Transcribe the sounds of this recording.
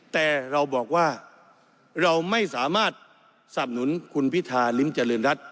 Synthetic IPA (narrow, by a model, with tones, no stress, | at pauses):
t̪ɛː˨˩ɾa˧wbɔː˨˩k̚waː˥˩ | ɾa˧wma˥˩jsaː˩˦maː˥˩t̪̚ | sa˨˩p̚nu˩˦nkʰu˧npʰi˦˥t̪ʰːaː˧li˦˥mt͡ɕa˧lɤː˧nɾa˦˥t̪̚